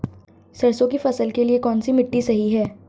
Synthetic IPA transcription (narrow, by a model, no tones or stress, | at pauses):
sɐɾsõkifɐsəlkeliekɔːnsimɪʈːisɐɦiɦɛː